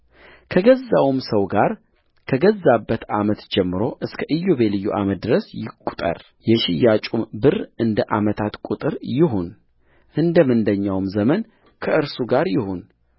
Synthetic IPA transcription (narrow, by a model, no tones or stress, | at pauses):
kʰəɡəzːawmsəwɡaɾ | kʰəɡəzːabːət̪amət̪d͡ʒɛmːɨɾo̞ʔɨskʰəʔɨjːoβelɨjːuʔa̰mət̪̚d̪ɨɾəsjɪkʼu̥t̪ʼə̰ɾ | jɛʃɪjat͡ʃʼumbɨrʔɨnd̪əʔa̰mət̪ʰat̪kʼut̪ʼɨɾjɪɦun | ʔɨnd̪əmɨnd̪əɲːawmzəmən | kʰəʔɨɾsuɡaɾjɪhun